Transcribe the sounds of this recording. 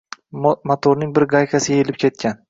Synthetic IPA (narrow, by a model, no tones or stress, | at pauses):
mat̪ʰoɾnɪŋbɪɾɡɑjkʰʲasɪɡʲaelɪp̚kʲʰe̞t̪̚kʲʰan